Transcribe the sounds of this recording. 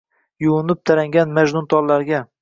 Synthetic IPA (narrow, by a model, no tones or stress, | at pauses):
jʊwʊnɪp̚t̪ʰaɾaŋɡʲanmaʒnʊnt̪ʰɒllaɾɡʲa